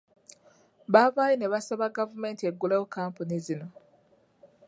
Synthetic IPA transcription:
βaβaːjine̞βasaβaɡavume̞ːntie̞ɡːulewokaːmpunizino̞

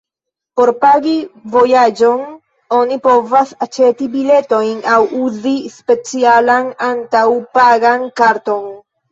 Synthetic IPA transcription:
po̞ɾpaɡivo̞jad͡ʒo̞n | o̞nipo̞vasat͡ʃe̞tibile̞to̞jnawuzispe̞t͡sialanantawpaɡankaɾto̞n

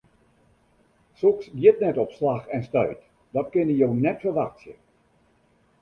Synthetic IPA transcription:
soksdjətnɛtɔpslaxɛnstœ̰ɥt | dɔtkɪnəjownɛtfərʋaxsjə

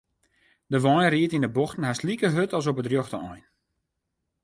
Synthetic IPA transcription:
dəʋɔjnriətindəbɔxtn̩ɦaslikəɦøtʰɔlˠs̬ɔpətrjoxtəɔjn

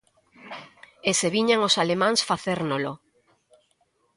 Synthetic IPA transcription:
eseβiɲaŋosalemãŋsfaθeɾnolo

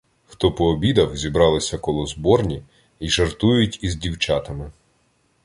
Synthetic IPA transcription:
xt̪ɔpɔːbʲid̪ɐwzʲibɾɑlˠɪsʲɐkɔlˠɔzbɔrnʲi | iʒɐrt̪ujʊtʲizdʲiwt͡ʃɑt̪ɐmɪ

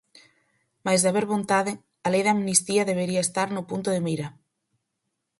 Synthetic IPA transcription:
majzðaβeɾβont̪aðɪ | alejðamnist̪iɐðeβeɾiɐest̪aɾnʊpunt̪ʊðemiɾɐ

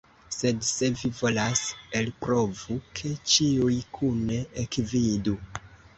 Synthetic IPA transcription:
se̞dse̞vivo̞lase̞lpɾo̞vukʰe̞t͡ʃiujkʰuneekvidu

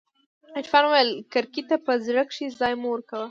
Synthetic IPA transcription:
ɪʈfɑnwajəlkaɾkit̪apəzɽəkʂizɑjmuwəɾkawə

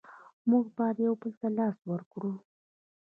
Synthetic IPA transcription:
muɡbɑd̪jawbəlt̪alɑswəɾkɽu

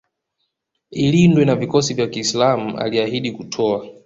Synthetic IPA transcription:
ilindwɛnavikɔsivjakiːslam̩a̰liahiɗikutʰɔa

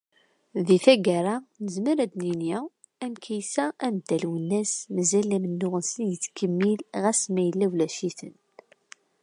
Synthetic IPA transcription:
ðiθæɡaɾˤanəzməɾæd̪ninji | æmkʰæjsæʔæmd̪ːælwənːæsməzælːæmənːʊʁənsənjət͡sːkʰəmːilʁæsmæjəlːæwlæʃiθə̰n

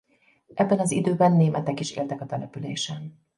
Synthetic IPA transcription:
ʔɛbːɛnɒzḭd̪øːbɛnːeːmɛt̪ɛkiʃḛːlt̪ɛkɒt̪ɛlɛpylḛːʃɛn

